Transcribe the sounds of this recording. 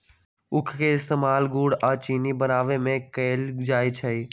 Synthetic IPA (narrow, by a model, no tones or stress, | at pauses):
ʊkʰkeɪst̪eːmaːlɡuːɽaːt͡ʃinibənaːʋemẽkəɪld͡ʒaːjt͡ʃʰəi